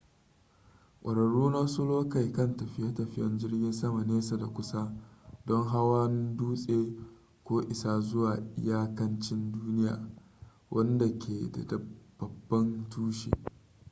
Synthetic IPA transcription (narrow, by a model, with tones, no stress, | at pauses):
kʷʼɐ˨ɾɐ˨ɽːuː˦naː˦sʊ˦loː˦kɐ˨jkɐ˦˨ntɐ˨ɸɪ˦ja˦tɐ˨ɸɪ˦jɐ̰˦nd͡ʒɪ˦rɡʲɪ˦nsɐ˦ma˨neː˦sa˨da˨kʷʊ˦sa˦dɔ˦ŋɦa˦waː˦n˦duː˦sʼeː˦ | kʷoː˦ʔɪ˨saː˦zʊ˦waː˨ʔɪ̰˦jaː˦kɐ˦nt͡ʃɪ˦nduː˦nɪ˦ja̰ː˨ | wʔɐ˦nda˨kʲʰeː˨da̰˨dɐ˨b̥ɐ˨bːɐ˦ntuː˦ʃḛ˨